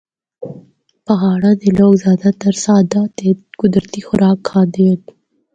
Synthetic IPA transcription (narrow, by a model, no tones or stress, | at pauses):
paɦɑːɽad̪əloɡzɑːd̪at̪əɾsɑːd̪at̪ekʊd̪ɾat̪ixʊɾɑkʰːɑd̪ed̪